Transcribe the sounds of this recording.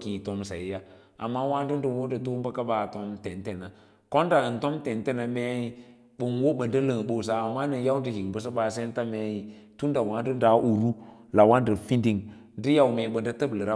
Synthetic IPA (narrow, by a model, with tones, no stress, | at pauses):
ki˨to˦msa˨i˦ja˦ | a̰˨mːa˦wa˦du˦ndu˦˨wo˦də˨tu˦m˦ba˦ka˦ba˨to˦mte˨n˦te˦˨na˨ | ko˦n˦da˨n˨to˦mte˨nte˦na˨me˦ji˦ | ɓə˨nwo˦ɓə˨ndə˦lə˨ŋ˨ɓo˨s̬a˨a˨mːa˦nə˨ja˦u˦di˨hi˨ŋ˨bə˨˦s̬ə˦ba˨s̬e˦n˦ta˦me˦ji˨ | tu˦n˦da˨wa˦n˦du˦nda˨˦ʔu˨ɾu˦la˨wa˦n˦də˨fi˦ndi˨ŋ | di˦ja˨wme˨ɓə˨nda˦tə˦blə˨ɾa˦